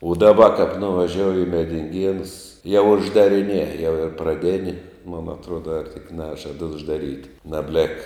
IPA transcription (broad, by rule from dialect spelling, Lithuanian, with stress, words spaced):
ʊ dɐˈbɐ kɐp nʊʋɐˈʒʲoːʊjɪ ɪ mʲɛdʲɪŋʲˈɡʲiɛnʊs jɛʊ ʊʒdɐrʲɪˈnʲiɛ jɛʊ ɪr prɐˈdʲeːnʲɪ mʊn ɐtˈruɔdɐ ɐr tʲɪk ˈnʲæːʒɐt ʊʒdɐˈrʲiːtʲ nɐbʲˈlʲɛk